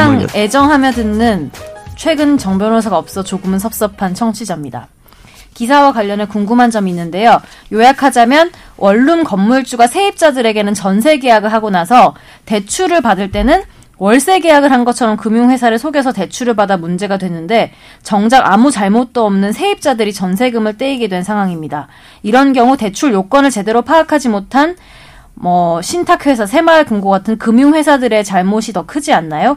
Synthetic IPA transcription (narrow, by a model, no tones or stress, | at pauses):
aŋe̞d͡ʑʌŋɦamjʌdɯnːɯnt͡ɕʰwe̞ɡɯnt͡ɕʌŋbjʌnosʰaɡaʌp̚s͈ʌt͡ɕoɡɯmɯnsʰʌp̚s͈ʌpʰant͡ɕʰʌŋt͡ɕʰid͡ʑamɲida̰ | kisʰawakwaʎːʌnɯkuŋɡumɦand͡ʑʌminːɯnde̞jojojakʰad͡ʑamjʌn | wʔʌɭːumkʌmːuɭt͡ɕ͈uɡasʰe̞ip̚t͡ɕ͈adɯɾe̞ɡe̞nɯnt͡ɕʌnsʰe̞ɡe̞jaɡɯɭɦaɡonasʰʌ | te̞t͡ɕʰuɾɯɭpadɯɭt͈e̞nɯn | wʌɭs͈e̞ɡe̞jaɡɯɭɦanɡʌt͡ɕʰʌɾʌmkɯmjuŋɸwe̞sʰaɾɯɭsʰoɡe̞s̬ʰʌte̞t͡ɕʰuɾɯɭpadamund͡ʑe̞ɡadwe̞nːɯnde̞ | t͡ɕʌŋd͡ʑaŋamut͡ɕaɭmot̚t͈ʌːmnɯnsʰe̞ip̚t͡ɕ͈adɯɾit͡ɕʌnsʰe̞ɡɯmɯɭt͈e̞iɡedwe̞nsʰaŋɦwaŋimɲida | iɾʌnɡjʌŋute̞t͡ɕʰuɭjok͈ʌnɯɭt͡ɕe̞de̞ɾopʰaːkʰad͡ʑimotʰan | mʌɕʰintʰakʰwe̞s̬ʰasʰe̞maɭkuŋɡoɡatʰɯnkɯmjuŋwe̞sʰadɯɾe̞t͡ɕaɭmoɕʰitʌkʰɯd͡ʑianːajo